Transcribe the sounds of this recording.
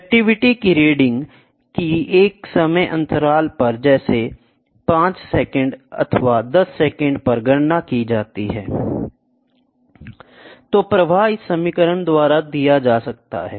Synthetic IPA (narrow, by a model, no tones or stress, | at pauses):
ɛk̚ʈɪʋɪʈikiɾeːɖɪ̃ŋɡ | kieːksəməjʔə̰̃nt̪əɾaːlpɐɾd͡ʒɛːse | pãːt͡ʃsɛːkə̃ɳɖɐ̰t̪ʰʋad̪ɐsːɛːkə̃ɳɖpɐɾɡəɽnakid͡ʒaːt̪iɦɛː | t̪oːpɾɐʋʱaːɦisəmɪkəɾənd̪waːɾad̪ijad͡ʒaːsɐk̚t̪a̰ɦɛː